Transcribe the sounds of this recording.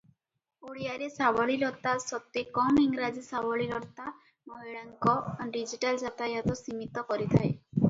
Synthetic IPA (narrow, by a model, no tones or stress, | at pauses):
uɽiaɾesabɔɭiɾɔt̪asɔt̪ekɔmiŋɾad͡ʒisabɔɭiɾɔt̪a | mɔɦiɭaŋkɔanɖid͡ʒiʈald͡ʒat̪ajat̪ɔsimit̪ɔkɔɾit̪ʰae